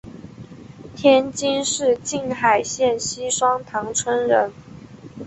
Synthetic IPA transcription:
t̪ʰjɛ˥nt͡ɕi˥nʂɻ̩˥˧t͡ɕi˥˩nxa˨˩ɪɕjɛ˥˩nɕi˥ʂwɑ˥ŋt̪ʰɑ˧˥ŋt͡sʰwə˥nɻə˧˥n

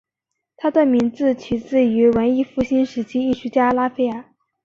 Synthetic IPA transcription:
t̪ʰa˥d̪ə˧˩mi˧˥nd͡zɹ̩˥˧t͡ɕʰi˧˥t͡sɹ̩˥˩y˧˥wə˧˥ni˥˧fu˥˩ɕi˥nʂɻ̩˧˥t͡ɕʰi˥i˥˩ɕʰy˥t͡ɕja˥la˥fe˥˩ɪə˞˨˩˥

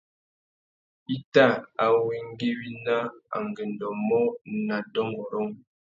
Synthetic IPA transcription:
i˦ta˦˨a˨wi˦ŋ˦ɡe˦wi˦na˦a̰˨ŋɡe˨n˨dɔ˨mɔ˦na˨dɔ˦ŋɡɔ˨ɾɔ˦ŋ

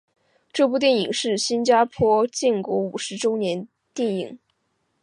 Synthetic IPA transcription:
ʈ͡ʂɤ˥˧p̬u˥˧t̪jɛ˥˩ni˨˩ŋʂɻ̩˥˩ɕi˥nt͡ɕja˥pʰwɔ˥t͡ɕi˥˩nkɔ˧˥u˨˩ʂɻ̩˧˥ʈ͡ʂo˥ʊnjɛ˧˥n | t̪jɛ˥˩nḭ˨˩˦ŋ

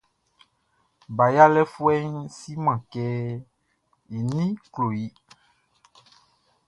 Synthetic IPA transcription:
ba˨ja˦lɛ˦fu˦ɛ˦ŋsi˦mã˨kɛ˦ | i˨nĩ˦klo˨ji˦

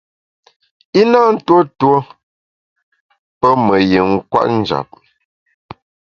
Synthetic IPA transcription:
i˦na˦n̩˦two˦two˦ | pə˦mə˨je˨ŋ̩˦kwa̰˦ʔn̩˦d͡ʒa̰˨p̚

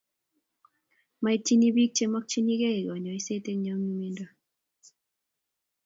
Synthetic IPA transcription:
ma˦i˦t͡ʃi˦ni˦bi˦k̚t͡ʃe˦mɔ˦k̚t͡ʃi˦ni˦ke˦e˨ɡɔ˨ɲɔ˨i˦se˦te˦ŋɲɔ˨˦ŋi˦mi˦ndɔ˦

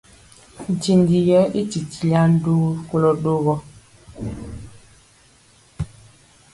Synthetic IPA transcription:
n̩˨ti˨ndi˨jɛ˦ʔi˦ti˨ti˨la˦n̩˦do˦ko˦lɔ˦ɗo˦ɣɔ˦

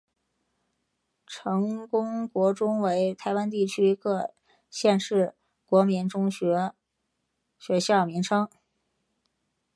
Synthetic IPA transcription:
ʈ͡ʂʰɤ˧˥ŋkʊ˥ŋkwɔ˧˥ʈ͡ʂʊ˥ŋwe˧˥ɪt̪ʰa˧˥ɪwa˥nt̪i˥˩t͡ɕʰy˥˧˥kɤ˥˧ | ɕjɛ˥˧nʂɻ̩˥˩ | kwɔ˧˥mi˧˥nʈ͡ʂʊ˥ŋɕɛ˧˥ | ɕɥɛ˧˥ɕjɑ˥˩ʊmi˧˥ŋʈ͡ʂʰɤ˥ŋ

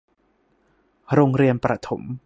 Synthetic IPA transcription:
ɾoː˧ŋɾi˧ənpɾa˧t̪ʰo˩˦m

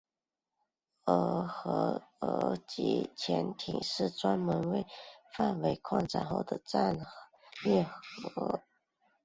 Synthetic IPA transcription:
ə˧˥xɤ˧˥ə̰˧˥t͡ɕḭ˧˥t͡ɕʰjɛ˧˥nt̪ʰḭ˨˩ŋʂɻ̩˥˩ʈ͡ʂwa˥nmə˧˥nwe˥˧ɪfa˥˩nwe˧˥ɪkʰwɑ˥˩ŋʈ͡ʂa̰˥˩nxo̰˥˩ʊd̪ə˩ʈ͡ʂa˥˩nxɤ˧˩˥lɛ˥˩xɤ˧˥

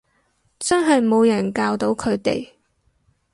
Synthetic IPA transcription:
t͡sœː˥ŋɦɐ˨jmo˨˧wjɐ˨˩nkaː˧wt̪o˨˥wkʰɵ˨˧ɥt̪ḛ˨j

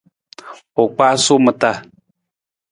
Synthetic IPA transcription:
o˨k͡pa˦sʊ˦mɨ˨ta˦˨

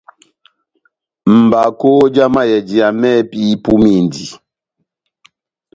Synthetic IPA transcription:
m̩˨ba˨ko˦d͡ʒa˦ma˦jɛ˨d͡ʒi˨a˨mɛ˦pi˦pu˦mi˦˨ndi˨

